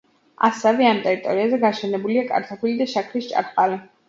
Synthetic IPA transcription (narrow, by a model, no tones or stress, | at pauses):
a̰sɛvɛamt̪ʼɛɾit̪ʼɔɾiazɛɡaʃɛnɛbuliakʼa̰ɾt̪ʰapʰilid̪aʃakʰɾist͡ʃʼa̰ɾqʼali